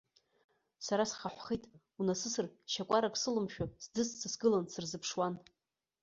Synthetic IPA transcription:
saɾasχaħʷχijtʼ | unasɨsɨrʃakʷʼaɾakʷʼsɨlɨmʃᶣʊsdɨst͡sʰɨsɡɨlansɨrzɨpʰʂwan

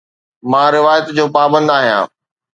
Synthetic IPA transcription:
mãːɾɪʋaːjət̪d͡ʑoːpaːbə̃nd̪aːɦijã̰ː

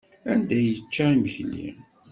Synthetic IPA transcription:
ænd̪æjət͡ʃːaiməçlːḭ

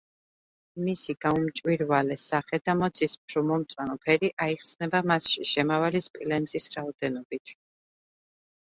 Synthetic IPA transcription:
misiɡ̥aumt͡ʃʼwiɾvalɛsaχɛd̪amɔt̪sʰispʰɾɔmɔmt̪sʼwanɔpʰɛɾiʔaiχsnɛbamasʃiʃɛmavalispʼilɛnzisɾaɔd̪ɛnɔbit̪ʰ

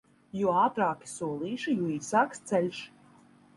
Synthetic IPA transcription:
juɔaːt̪ɾaːkʲi̥suɔlˠiːʃijuːiːsaːkst̪sɛlʲʃ

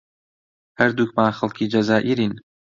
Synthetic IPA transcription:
hɐɾd̪uːk̚maːnxɐlˠkʰiːd͡ʒɐzaːʔiɾin

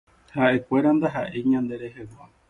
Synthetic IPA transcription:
haʔe̞kʷe̞ɾand̪aɦaʔeɲãnd̪e̞ɾe̞ɦewa

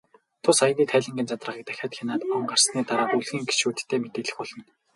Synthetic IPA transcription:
t̪ʰʊsajə̆niːt̪ʰæːɮɘ̆ŋɡent͡sat̪rə̆ʁiːk̚t̪æxʲaːt̪xʲanaːt̪ɔɴɢarsniːt̪aɾaːt̪uɮɣiːŋɡe̥t͡ɕʃuːt̪ʰt̪ʰːeːmet̪eːɮɘ̆xʊɮɞ̆n

